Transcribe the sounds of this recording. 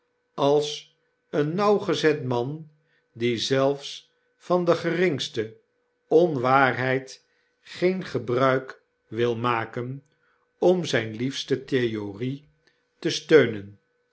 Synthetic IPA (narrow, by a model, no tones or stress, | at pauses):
ɑlˠs | ənːɑwχəzɛtmɑn | dizɛlˠfs | fɑndəχərɪŋstə | ɔnʋaːɹɦɛjt | χejnχəbrœɥk | ʋɪlˠmaːkən | ɔmzɛjnlifstəteori | təstøɥnən